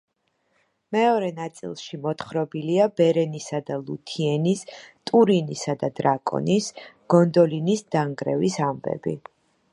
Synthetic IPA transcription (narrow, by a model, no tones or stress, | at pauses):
mɛɔɾɛnat̪sʼḭlˠʃimɔt̪χɾɔbiliabɛɾɛnisad̪alˠut̪ʰiɛnist̪ʼuɾinisad̪ad̪ɾakʼɔ̰nisɡ̥ɔnd̪ɔlinisd̪̥aŋɡɾɛ̰visambɛ̰bi